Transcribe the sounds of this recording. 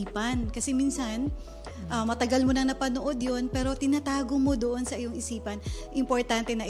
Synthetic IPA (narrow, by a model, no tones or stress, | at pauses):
pɐnkɐsɛmiːnsɐn | ʔɐmɐt̪ɐɡɐlmonɐŋnɐpɐnoʔo̞d̪jo̞npɛːɾo̞t̪ɪnat̪aːɡomo̞d̪oʔo̞nsɐʔɪjoŋɪsiːpɐnʔɪmpoɹt̪ant̪ɛnɐ